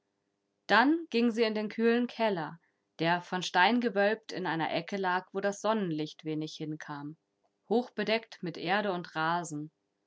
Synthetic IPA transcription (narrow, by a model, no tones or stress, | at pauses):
d̥anɡ̥ɪŋziːɪndeːnkʰyːlənkʰɛlɐ | d̥eːɐfɔnʃtaɪnɡəvœlp̚tɪnʔaɪnɐ̰ʔɛkəlaːkv̥oːɾasz̥ɔnənlɪçtv̥eːnɪçhɪnkʰaːm | hoːxb̥ədɛktmɪtʔeːɐɾəʊntʁaːzn̩